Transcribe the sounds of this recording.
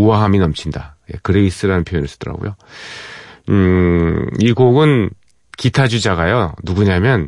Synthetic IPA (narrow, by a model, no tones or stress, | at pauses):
uwaɦaminʌmt͡ɕʰinda̰je̞̰kɯɾe̞is͈ɯɾanɯnpʰjojonɯɭs͈ʰɯ̥d̥ʌɾa̰ɡo̰jo | iɡoɡɯn | kitʰad͡ʑud͡ʑaɡajonuɡuɲamjʌn